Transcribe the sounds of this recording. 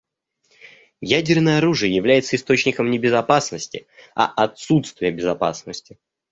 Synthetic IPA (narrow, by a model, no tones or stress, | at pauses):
jædʲɪrnəjəɐɾuʐɨjəjɪvlʲæjɪt̪səɪst̪o̞t͡ɕnʲɪkəmnʲɪbʲɪzɐpasnəsʲtʲɪɐ̰ʔɐt̪sut̪st̪vʲɪjəbʲɪzɐpa̰snəsʲtʲɪ